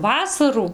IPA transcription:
ˈʋɑːsɐruː

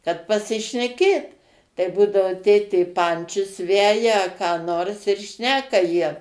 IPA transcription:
kɐt pɐsʲɪʃʲnʲɛˈkʲeːt tɐɪ ˈbuːdɐʋoː ˈtʲeːtʲeː ˈpɐnʲt͡ʃʲʊs ˈʋʲæːjɛ ɐ kɑː ˈnoːrs ɪr ˈʃʲnʲæːkɐ jiɛ

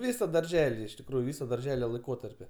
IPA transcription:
ˈʋʲiːsɐ dɐrʲˈʒʲæːlʲɪ ɪʃ tʲɪkˈruːjʊ ˈʋʲɪsɐ dɐrʲˈʒʲæːlʲɛ lˠɐɪˈkoːtɐrʲpʲɪ

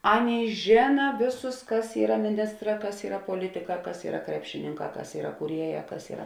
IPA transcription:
ˈɑːˌnʲeːɪ ˈʒʲeːnɐ ˈʋʲeːˌsʊs ˈkɐs ˈiːrɐ mʲɪˈnʲɪstˌrɑː ˈkɐs ˈiːrɐ poːˈlʲɪtʲɪˌkɑː ˈkɐs ˈiːrɐ ˈkrʲæːpʲʃʲɪnʲɪŋˌkɑː ˈkɐs ˈiːrɐ kuːˈrʲiɛˌjæː ˈkɐs ˈiːrɐ

